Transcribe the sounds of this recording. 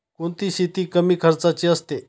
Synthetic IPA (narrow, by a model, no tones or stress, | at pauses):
kuɳt̪iɕit̪iːkəmiːkʰəɾt͡sat͡ɕiːəst̪e